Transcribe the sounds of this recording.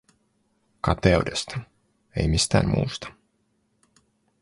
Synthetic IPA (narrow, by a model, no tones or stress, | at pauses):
kɑt̪eude̞st̪ɑ | ejmist̪æ̰ːmmṵːst̪ɑ̥